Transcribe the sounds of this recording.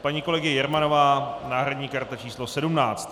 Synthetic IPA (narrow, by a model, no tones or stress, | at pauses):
paɲiːko̞lɛɡɪɪjɛɾmano̞vaːnaːɦɾadɲiːkaɾt̪at͡ʃiːslo̞sɛdumnaːt͡st̪